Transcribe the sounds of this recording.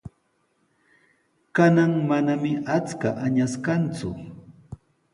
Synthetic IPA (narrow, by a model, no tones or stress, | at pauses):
kanaŋmanamɪʔat͡skaʔaɲaskant͡sʊ